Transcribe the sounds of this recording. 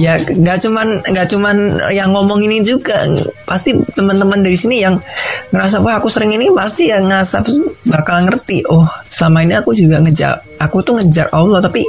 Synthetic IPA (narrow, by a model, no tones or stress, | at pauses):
jaŋɡaʔt͡ʃumanŋɡaʔt͡ʃumanjaŋːɔmɔŋinid͡ʒuɡa̰past̪it̪əmənt̪əməndaɾisinijaŋŋəɾas̬apahakusəɾɪŋinipast̪ijaŋəɾasa̰bakalŋərt̪iʔɔhsamainiakud͡ʒuɡaŋəd͡ʒa̰r | akut̪uŋəd͡ʒa̰rʔawlɔt̪api